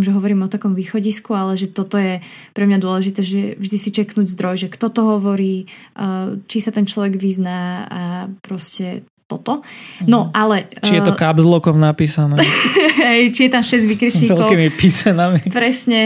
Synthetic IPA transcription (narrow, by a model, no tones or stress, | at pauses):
mʒɛɦɔʋɔɾiːmɔt̪akɔmʋiːxɔɟiskualɛʒɛt̪ɔt̪ɔjɛ | pɾɛmɲad̪ʊɔlɛʒit̪ɛːʒɛvʒd̪isit͡ʃɛknuːɟzd̪ɾɔjʒɛkt̪ɔt̪ɔɦɔʋɔɾiː | t͡ʃisat̪ɛnt͡ʃlɔʋɛɡʋiznaːapɾɔscɛ | t̪ɔt̪ɔnɔʔalɛt͡ʃijɛt̪ɔkabzlˠɔkɔmnapiːsanɛɦɛjt͡ʃijɛt̪amʃɛzɟʋikɾit͡ʃɲiːɛklɔiːmipisɛnamipɾɛsɲɛ